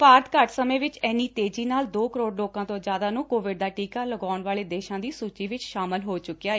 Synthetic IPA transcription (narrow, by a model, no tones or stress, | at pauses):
paːɾt̪kəɾʈsəmẽːʋɪt͡ʃɛːniːt̪eːd͡ʒiːnaːld̪oːkəɾoːɽloːkãːt̪õːd͡ʒjaːd̪aːnũːkoːʋɪɖ̚d̪aːʈiːkaːləɡaːnʋaːleːd̪eːʃãːd̪iːsuːt͡ʃiːʋɪt͡ʃʃaːməlɦoːt͡ʃʊkːijaːeː